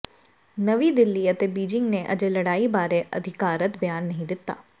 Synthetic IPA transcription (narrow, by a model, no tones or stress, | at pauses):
nɐʋid̪ɪlːiɐt̪ebiːd͡ʒɪ̃ŋɡneʔɐ̰d͡ʒelɐɽaːibaːɾeʔɐ̰d̪ʱɪkaːɾət̪bjaːnːɐɦĩd̪ɪt̪ːa̰ː